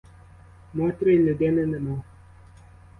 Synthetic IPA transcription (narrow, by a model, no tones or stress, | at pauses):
mɔtɾenədɛnɛnəmɔ